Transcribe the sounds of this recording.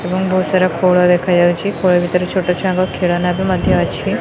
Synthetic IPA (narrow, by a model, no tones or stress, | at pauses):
ebəŋbɔːt̪saɾakʰoːɭad̪eːkʰad͡ʒaːut͡ʃikʰoːɭebʱit̪əɾet͡ʃʰoːʈat͡ʃʰãŋɡakʰeːɭanabʱimɐd̪ʱjəɐtːt͡ʃʰi